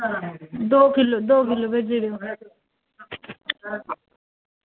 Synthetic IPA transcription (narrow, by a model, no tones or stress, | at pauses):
d̪oːkɪlod̪oːkɪlːobed͡ʒeɽeo